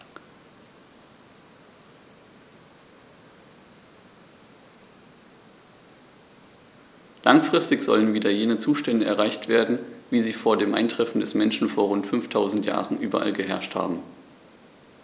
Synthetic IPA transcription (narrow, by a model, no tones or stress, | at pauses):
laŋfʁ̥ɪstɪçz̥ɔ̰lənviːdɐjeːnət͡suːʃtɛndəʔɛ̰ɐʁaɪçtv̥eːɐdn̩viːziːfoːɐdeːmʔa̰ɪntʁ̥ɛfn̩dɛsmɛnʃn̩foːɐʁʊntfʏnftʰaʊzn̩tja̰ːʁən̩ʔyːbɐʔa̰lɡəɦɛɐʃtha̰ːbm̩